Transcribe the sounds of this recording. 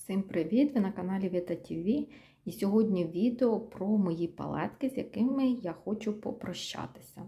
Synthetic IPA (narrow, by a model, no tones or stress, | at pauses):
sɪmpɾɪʋʲid̪ʋɪnɐkɐnɑlʲiʋʲet̪ɐtʲʰiʋʲi | isʲɔɦɔdʲnʲiʋʲid̪eɔpɾɔmɔjipɐ̰lˠɛ̰t̪kɪzʲjɐkɪmɪjaxɔt͡ʃʊpɔpɾɔʃt͡ʃɑ̰t̪ɪ̥sʲɐ